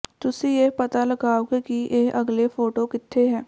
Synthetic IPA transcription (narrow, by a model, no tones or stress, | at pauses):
t̪ʊsijepət̪aləɡaːoɡekieːʔəɡlefʰoːʈokɪt̪ʰːeɦɛː